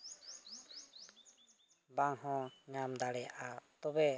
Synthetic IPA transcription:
baŋhɔ̃ɲamd̪aɽɛjaʔat̪ɔbɛ

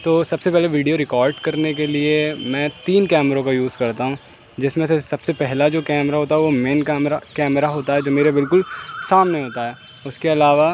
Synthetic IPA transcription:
t̪oːsɐbsepɛɦleʋiːɖijoɾɪkaːɾɖkɐɾnekeliemɛ̃ːt̪iːnkɛːmɾõkajuːzkɐɾt̪aɦũː | d͡ʒɪsmẽsesɐb̥sepɛɦlad͡ʒoːkɛːmɾaɦoːt̪aɦɛʋomeːnkːmɾakɛːməɾaɦoːt̪aɦɛːd͡ʒoːmeːɾebɪlkʊlsaːmneɦoːt̪aɦɛː | ʊskeɐlaːʋa

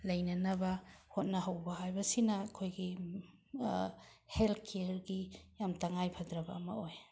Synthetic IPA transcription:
lɐjnɐnɐbɐhot̚nɐɦɐwbɐɦajbɐsinɐkʰojɡi | helkʰeɾɡijamtɐŋajpʰɐdɾɐbɐːmɐ̰oj

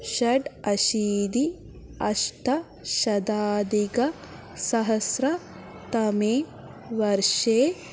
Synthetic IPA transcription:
ʃɐɖɐʃiːd̪i | ɐ̰ʃʈɐ | ʃɐd̪aːd̪iɡɐ | sɐɦɐsɾɐ | t̪ɐmeː | ʋɐɾʃeː

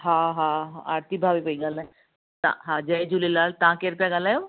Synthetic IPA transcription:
ɦãɦãɦãaɾt̪ibʱaːʋipəiɡalã | t̪ã̰ɦãd͡ʒɐjd͡ʒulilaːlt̪ãkeɾpjaɡalajoː

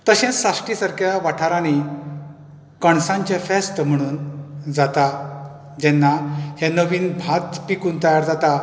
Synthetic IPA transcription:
t̪əɕɛ̃saʂʈisəɾkjaʋaʈʰaɾani | kəɳsãɲt͡ɕẽfɛst̪əm̤əɽ̃uːnd͡zat̪a | d͡ʑɛnːahɛnəʋiːnbʱat̪pikũːnt̪əjaɾd͡zat̪a

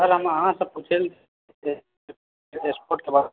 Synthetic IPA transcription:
əɾɦəməɦãsə̃put͡ʃʰelt̪ʰ | e | espoɾʈ̚kebad̪

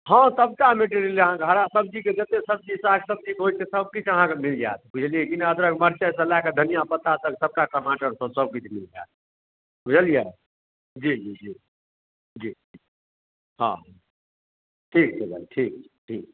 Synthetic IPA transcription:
ɦə̃səbkameʈeɾjliəɦãkeɦəɾasəb̚d͡ʒiked͡ʒət̪esəb̚d͡ʒisaksəb̚d͡ʒikɦojt̪ʰesəb̚kit͡ʃʰəɦãkemild͡ʒa̰t̪̚ʰbud͡ʒʰʱəlijekineəd̪ɾəkməɾt͡ʃəsə̃laked̪ʱənijapət̪at̪əksəb̚kakəmaʈəɾsə̃səb̚kit͡ʃʰmild͡ʒa̰ːt̪̚ | bud͡ʒəlije | d͡ʒid͡ʒid͡ʒi | d͡ʒii | ɦã̰ | ʈʰikt͡ʃʰebʱə̰lʈʰik̚t͡ʃʰɛ̥ʈʰiːk̚

